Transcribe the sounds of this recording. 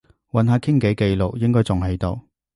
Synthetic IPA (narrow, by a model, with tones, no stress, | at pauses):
wɐ˨nɦaː˨˧kʰɪ˥ŋke˨˥jke˧jlʊ˨k̚jɪ˥ŋkɔː˥jt͡sʊ˨ŋɦe˨˧jt̪o̰˨˧w